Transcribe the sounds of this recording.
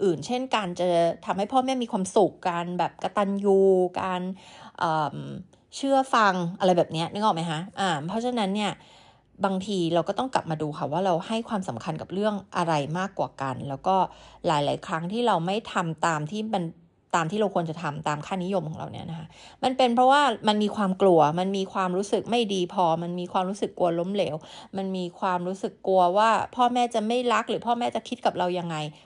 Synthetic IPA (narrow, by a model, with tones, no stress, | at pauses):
ʔɯː˨˩nt͡ɕʰe˥˩nkaː˧nt͡ɕa˨˩t̪ʰa˧mha˥˩jpʰɔː˥˩mi˥˩miː˧kʰwaː˧msu˨˩kːaː˧nbɛː˨˩p̚ka˧t̪a˧njuː˧˩kaː˧nʔɤː˨˩m | t͡ɕʰɯ˥˩ɐfa˧ŋʔa˧ɾa˧jbɛː˨˩p̚ni˦˥ɐʔnɯ˧˩ŋʔɔː˨˩ma˦jkʰa˦˥ʔaː˨˩mpʰɾɔ˦˥t͡ɕʰa˧na˦˥nːi˥˩ɐ | baː˧ŋt̪ʰiː˧ɾa˧wkɔː˥˩t̪ɔ˥˩ŋkla̰˨˩p̚maː˧duː˧kʰa˧˩waː˥˩ɾa˧wha˥˩jkʰwaː˧msa˩˦mkʰa˧nka˨˩p̚ɾɯ˥˩əŋʔa˧ɾa˧jmaː˥˩kːwaː˨˩ka˧nlɛː˦˥wkɔː˥˩laː˨˩˦jlaː˨˩˦jkʰɾa˦˥ŋt̪ʰiː˥˩ɾa˧wma˥˩jt̪ʰa˧mt̪aː˧mt̪ʰiː˥˩ma˧n | t̪aː˧mt̪iː˥˩ɾa˧wkʰu˧ənt͡ɕa˨˩t̪ʰa˧mt̪aː˧mkʰaː˥˩ni˦˥jo˧mkʰɔː˩˦ŋɾa̰˧wni˦˥ɐna˦kʰa˦˥ma˧npe˧npʰɾɔ˦˥waː˥˩ma˧nmiː˧kʰwaː˧mklu˧ɐma˧nmiː˧kʰwaː˧mɾuː˦˥sɯ˨˩k̚ma˥˩jdiː˧pʰɔː˧ma˧nmiː˧kʰwaː˧mɾuː˦˥sɯ˨˩kːu˧ɐlo˦˥mleː˩˦wma˧nmiː˧kʰwaː˧mɾuː˦˥sɯ˨˩kːu˧ɐwaː˥˩pʰɔː˥˩mɛː˥˩t͡ɕa˨˩ma˥˩jɾa˦˥k̚ɾɯː˩˦pʰɔː˥˩mɛː˥˩t͡ɕa˨˩kʰi˦˥t̪̚ka˨˩p̚ɾa˧wja˧ŋːa˧j